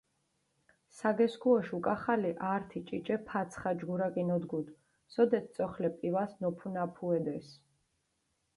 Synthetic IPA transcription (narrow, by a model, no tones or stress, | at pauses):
saɡɛskʰuɔʃukʼaχaliʔaːɾt̪ʰit͡ʃʼit͡ʃʼɛpʰat̪sʰχad͡ʒɡuɾakʼinɔd̪ɡud̪ | sɔd̪ɛt̪̚ʰt̪sʼɔχlɛpʼivasnɔpʰunapʰuɛd̪ɛs